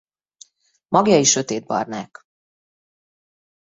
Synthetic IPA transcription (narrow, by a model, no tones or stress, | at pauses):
mʔɒɡjɒiʃø̞t̪eːd̪̚bɒ̰rnaːk